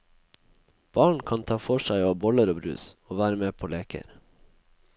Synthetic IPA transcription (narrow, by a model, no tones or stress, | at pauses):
b̥ɑːɳ̩kʰɑnt̪ʰɑːfɔʃæɪoːbɔləɾoːbɾʉ̰ːsoːʋæːɾəmeːpʰoːleːkə̰ɾ